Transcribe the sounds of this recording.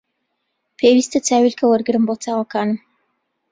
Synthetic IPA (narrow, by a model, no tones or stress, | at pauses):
pʰewist̪ɐt̪ʰaːwilkʰɐwɐɾɡɨɾɨmbot̪ʰaːwɐkaːnɨm